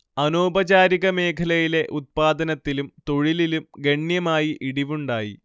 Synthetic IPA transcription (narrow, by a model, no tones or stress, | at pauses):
ɐnoːbɐd͡ʑaːɾiɣɐme̞ːkʰɐlɐjile̞ʔut̪̚paːd̪ɐnɐt̪ːilumt̪o̞ɻililumɡe̞ɳjɐmaːjiʔiɽiʋuɳɖaːjḭ